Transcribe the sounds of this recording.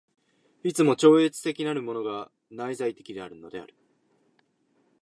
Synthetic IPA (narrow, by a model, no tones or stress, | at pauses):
it͡sɨmo̞t͡ɕo̞ːet͡sɨ̥t̪e̞kʲinaɾɯ̟mo̞no̞ɡa | naizait̪e̞kʲid̪e̞aɾɯ̟no̞d̪e̞a̰ɾɯ̟